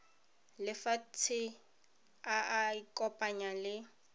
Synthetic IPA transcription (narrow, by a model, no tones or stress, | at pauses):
lɪfatʰɪ | aaikʼɔpʼaɲalɪ